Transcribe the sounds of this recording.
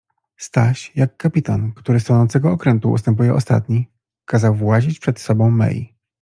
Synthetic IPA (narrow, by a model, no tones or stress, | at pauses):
st̪aɕjakːapʲit̪ankt̪uɾɘsɔnɔnt̪sɛɡɔɔkɾɛnt̪uṵst̪ɛmp̬ujɛʔɔst̪a̰t̪ɲi | kazawvwad͡ʑit͡ɕpʂɛt̪sɔbɔ̃w̃mɛ̰jḭ